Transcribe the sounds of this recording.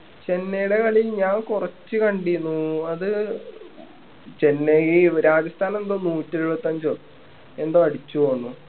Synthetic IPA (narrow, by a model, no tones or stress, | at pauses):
t͡ɕe̞nːejuɽe̞kɐɭijlɲaːŋkurɐt͡ɕːɨkɐɳɖiunːuɐðɨ | t͡ɕe̞nːeiɾaːd͡ʑɐst̪ʰaːnɐmend̪oːnuːtːieɾubɐt̪ːɐɲd͡ʑo | e̞nd̪oːɐɽit͡ɕːuʋoːɳːu